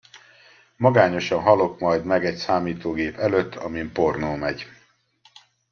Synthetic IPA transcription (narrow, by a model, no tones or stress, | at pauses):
mɒɡaːɲo̞ʃɒnɦɒlo̞kmɒjd̪mɛɡɛcsaːmiːt̪oːɡeːpɛløt̪ːɒ̰mimpo̞rnoːmɛɟ